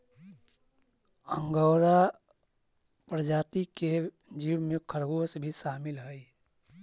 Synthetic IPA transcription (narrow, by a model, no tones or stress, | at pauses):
ə̃ŋɡəwɾa | pɾəd͡ʒaːt̪ike | d͡ʒiːwmẽkʰəɾɡosbʱiʃaːmɪlɦɛi